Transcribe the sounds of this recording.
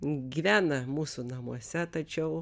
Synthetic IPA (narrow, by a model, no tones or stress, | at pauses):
ɡʲiːʋʲæːnɐmuːsunɐmuɔsʲɛt̪ɐt͡ʃʲɛʊ